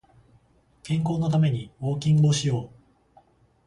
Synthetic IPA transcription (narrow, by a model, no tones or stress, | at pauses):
kẽ̞ŋko̞ːno̞t̪ame̞ɲ̟ioːkʲĩŋɡoːɕijo̞ː